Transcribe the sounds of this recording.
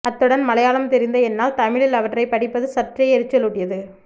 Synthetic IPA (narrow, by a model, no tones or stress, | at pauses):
ʔɐt̪ːɯɽɐnmɐlɐjaːlɐmt̪ɛɾɪnd̪ɐɛnːaːlt̪ɐmɪɭɪlɐʋɐʈrɐɪpːɐɽɪpːɐðɯsɐt̪rɐɛɾɯt͡ʃːɐlʊɽɪjɐðɯ